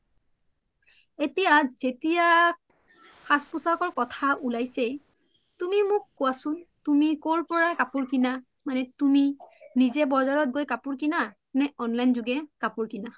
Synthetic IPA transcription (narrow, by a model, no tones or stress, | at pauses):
etijazetija | xʰaspusakɔɹkɔtʰaʔulajsɛ | tumimʊkːuwasʊntumikoɹpɔɹakapʊɹkina | manɛtuminizɛbɔzaɹɔt̚ɡojkapʊɹkina | nɛɔnlajnzʊɡɛkapʊɹkina